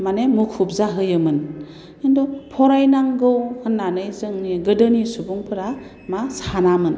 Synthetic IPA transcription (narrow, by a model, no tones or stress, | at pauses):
manemukʰup̚zaɦɯjɯmɯn | indɔpʰɔɾajnaŋɡɯwhɯnːanɯjzɯŋniɡɯdɯnisubuŋpʰɯɾa | masanamɯn